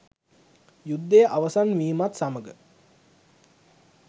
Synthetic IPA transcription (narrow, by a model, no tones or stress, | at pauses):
jud̪ːejəʔaʋəsanʋiːmat̪saməɡə